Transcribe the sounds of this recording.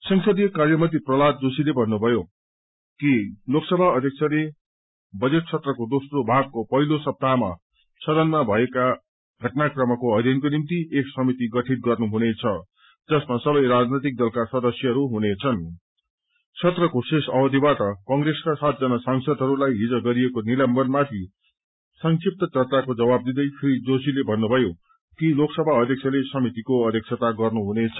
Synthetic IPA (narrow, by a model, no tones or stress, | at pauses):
sʌŋsʌd̪ijkarjʌmʌt̪iprʌlad̪d͡zosilebʱʌnːubʱʌjo | kiloksʌbʱaʌd̪ʱjʌk̚t͡sʰʌle | bʌd͡zeʈ̚t͡sʰʌt̪rʌkod̪osrobʱaɡ̚kopʌɦilosʌb̚t̪ama̰ | sʰʌd̪ʌnmabʱʌeka | ɡʱʌʈnakrʌmʌkoʌd̪ʱjʌnkonimt̪ieksʌmit̪iɡʌʈʰit̪̚ɡʌrnuɦunet͡sʰʌ | d͡zʌsmasʌbʌjɾad͡znʌt̪ik̚d̪ʌlkasʌd̪ʌsjʌɦʌɾuɦunet͡sʰʌn | t͡sʰʌt̪rʌkosesʌbʌd̪ʱibaʈʌkʌŋreskasat̪̚d͡zʌnʌsaŋsʌd̪ʱɦʌɾulajɦid͡zʌɡʌɾiekonilʌmbʌnmat̪ʰi | sʌŋsip̚t̪ʌt͡sʌrt͡sakod͡zʌbab̚d̪id̪ʌjpʰrid͡zosilebʱʌnːubʱʌjo | kiloksʌbʱaʌd̪ʱjʌk̚sʰʌlesʌmit̪ikoʌd̪jʌk̚sʰʌt̪aɡʌrnuɦunet͡sʰʌ